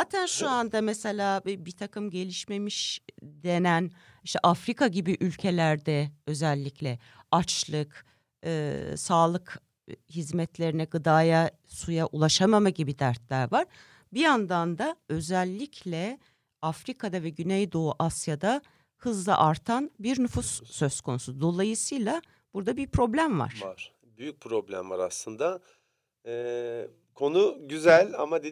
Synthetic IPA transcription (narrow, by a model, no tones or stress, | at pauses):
hat̪ʰænʃuand̪amɛse̞lʲaːbit̪ʰakɯmɟe̞lʲiʃme̞miʃd̪e̞næniʃt̪ʰɛʔafɾikaɟibiʔylʲcʰe̞lʲæɾd̪ɛø̞zɛlʲːicʰlʲɛ | at͡ʃlˠɯk | ɯːsaːlˠɯk | hizmɛt̪lʲe̞ɾinɛɡɯd̪aːja | sujaʔulˠaʃamamaɟibid̪æɾt̪lʲæɾvaɾ̥ | biand̪and̪aø̞zɛlʲːicʰlʲɛ | afɾikʰad̪avɛɟynɛjd̪o̞uʔasjad̪a | hɯzlˠa̰ʔaɾt̪ʰanbiɾnyfusːø̞zkʰo̞nusud̪o̞lˠajɯsɯjlˠa | b̥uɾd̪abiɾpʰɾo̞blʲæmva̰ɾ̥aɾ̥ | byjyc̚pʰɾo̞blʲæ̰mvaɾaslˠɯnd̪a | ɛ | kʰo̞nuɟyzælʲa̰mad̪e